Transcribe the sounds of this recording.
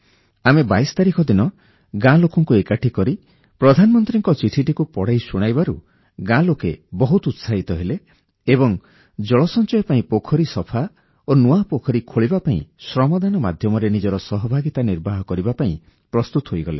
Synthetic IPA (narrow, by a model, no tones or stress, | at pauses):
amebajst̪aɾikʰɔd̪inɔ | ɡãlokɔŋkuekaʈʰikɔɾi | pɾɔd̪ʱanɔmɔnt̪ɾiŋkɔt͡ʃiʈʰiʈikupɔɽ̤ajsuɽ̃ajbaɾu | ɡãlokebɔɦut̪ut̪saɦit̪ɔɦeleː | bɔŋ | d͡ʒɔɭɔsɔnt͡ʃɔjɔpaĩpokʰɔɾisɔpʰa | onuapokʰɔɾikʰoɭibapaḭ̃sɾɔmɔd̪anɔma̰d̪ʱjɔmɔɾenid͡ʒɔɾɔsɔɦɔbʱaɡit̪aniɾbaɦɔkɔɾibapaĩ | pɾɔst̪ut̪ɔɦojɡɔlḛ